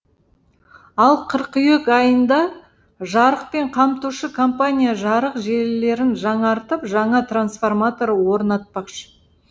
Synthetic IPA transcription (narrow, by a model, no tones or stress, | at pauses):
ɑlˠqʰəɾqʏjekɑjənd̪ɑ | ʒɑɾəq̚pe̞ɴqʰɑmt̪uʃəkʰompanʲijaʒɑɾəqʒe̞lɪle̞ɾɪnʒɑɴɑɾt̪əpʒɑɴɑt̪ransfo̞rmat̪o̞ɾwo̞ɾnɑt̪̚pɑqʃə̥